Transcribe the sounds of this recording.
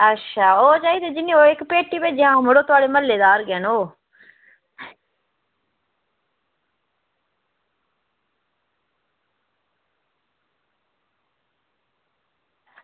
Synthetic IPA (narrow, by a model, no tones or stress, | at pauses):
ətːʃʰaːoːt͡ʃaːiːd̪eːd͡ʒɪnːiːoːɪkpeːʈːiːped͡ʒɪãːməɽoːt̪ʊaːɽeːməlːeːd̪aːɾɡɛːnoː